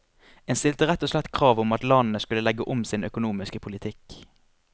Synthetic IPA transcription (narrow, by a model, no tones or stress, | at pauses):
eːnst̪ɪlt̪əʁɛt̪ːɔslɛt̪ːkʰʁɑːʋʊmɑt̪lɑnn̩əskʉləlɛɡəʔʊmsɪnœkʊnuːmɪskəpʰʊlɪt̪ʰɪk